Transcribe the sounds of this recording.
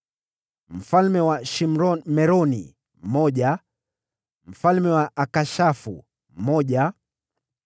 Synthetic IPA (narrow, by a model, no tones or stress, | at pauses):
m̩falmɛwaʃim̩ɾɔmɛɾɔnḭ | m̩mɔʄa | m̩falmɛwaʔakaʃafṵ | m̩mɔʄa